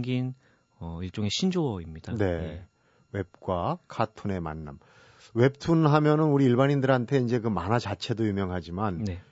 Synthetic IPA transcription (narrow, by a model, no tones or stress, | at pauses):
ɡin | ʌiɭt͡ɕ͈oŋe̞ɕʰind͡ʑoʌimɲid̥ane̞ | we̞p̚k͈wakʰatʰune̞manːa̰m | we̞p̚tʰunɦamjʌnɯnuɾiːɭbanindɯɾɦantʰe̞ind͡ʑe̞kɯmanat͡ɕat͡ɕʰe̞dojumjʌŋɦad͡ʑimanne